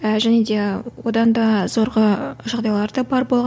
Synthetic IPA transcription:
ʒæne̞d̪e̞wod̪ɑnd̪ɑz̥o̞ɾʁəʒɑʁd̪ɑjlˠɑɾd̪ɑbɑɾbo̞lˠʁ

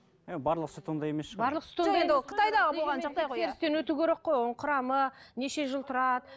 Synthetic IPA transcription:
ebɑɾlˠəqsʊt̪ond̪ɑje̞mesʃbɑɾlˠəqsʊ̥t̪oned̪qʰə̥t̪ɑjd̪ɑʁəbolˠʁɑnʒɑqd̪ɑjʁojʰeɾɪst̪e̞nwɵt̪ukʲʰeɾe̞qːo̞jʊɴqʰʊɾɑməne̞ʃe̞ʒəlˠt̪ʰʊɾɑd̪ə

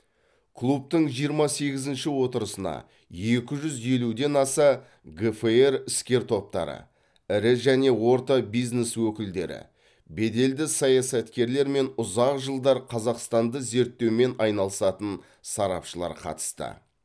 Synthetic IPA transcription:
kʰlˠup̚t̪əɴʒijəɾmɑse̞ɡʲɪzɪnʃɪwo̞t̪əɾəsənɑ̰ | je̞kʲɪʒʏzje̞lud̪e̞nɑsɑ | ɡefeeɾɪskʲe̞ɾt̪ʰo̞p̚t̪ɑ̰ɾə̰ | ɪɾɪʒæne̞wo̞ɾt̪ɑbijzne̞swɵkʲɪld̪e̞̰ɾɪ̰ | be̞d̪e̞ld̪ɪsɑjɑsɑt̪kʲe̞ɾle̞ɾme̞nʊzɑqʒəlˠd̪ɑɾqʰɑzɑqst̪ɑnd̪əze̞ɾt̪ːe̞wme̞nɑjnɑlˠəsɑt̪ən | sɑɾɑ̰pʃəlˠɑ̰ɾqʰɑ̰t̪ə̥st̪ə̰

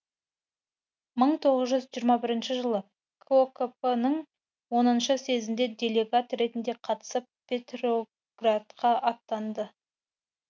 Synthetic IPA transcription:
məɴt̪ʰo̞ʁəzʒʏzʒijɾmɑbɪɾɪnʃɪʒəlˠə | kʰokopenəɴ | wo̞nənʃəse̞zɪnd̪e̞d̪ʲe̞lʲe̞ɡat̪ɾe̞t̪ɪnd̪e̞qʰɑt̪ə̥səp̚pʲːe̞t̪ro | ɡ̥rat̪qɑʔɑt̪ːɑnd̪ə

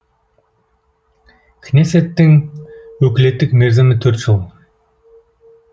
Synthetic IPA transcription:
kʰneset̪ːɪŋɵkʲlet̪ːɪkmeɾzɪmɪt̪ʰɵɾt̪ʒolˠ

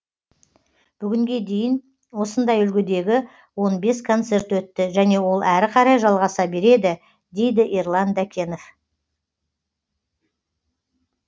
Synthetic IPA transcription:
b̥ʏɡʲɪŋɡʲe̞d̪e̞jɪn | wo̞sənd̪ɑjʏlɡʲɪd̪e̞ɡʲɪ | wo̞nbe̞skʰo̞nt̪se̞ɾt̪wɵt̪ːɪʒæne̞wo̞lˠæɾɪqʰɑɾɑjʒɑlˠʁɑsɑbe̞ɾe̞d̪ɪ | d̪e̞jd̪ɪʔirlˠɑnd̪ækʲʰe̞no̞f

